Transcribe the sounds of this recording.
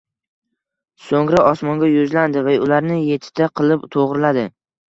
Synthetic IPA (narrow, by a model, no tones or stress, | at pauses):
soŋɾaʔɒsmɒŋɡʲajʊzland̪ɪvaʊlaɾnɪje̞t̪ʰɪ̥d̪̥aqʰɨlˠɪpt̪ʰoʁɾɪlad̪ɪ